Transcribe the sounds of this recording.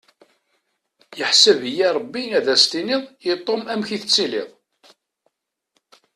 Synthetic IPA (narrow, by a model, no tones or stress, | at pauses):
jəħsəvjiɾˤəbːinæðæst̪inɪðˤjit̪ˤːomæmçiθət͡sːilɪ̰ðˤ